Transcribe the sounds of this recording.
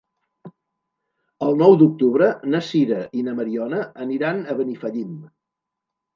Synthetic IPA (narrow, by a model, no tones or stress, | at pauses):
əlˠnɔwd̪uk̚t̪uβɾənəsiɾəʔinəməɾiɔnəəniɾanəβənifəʎim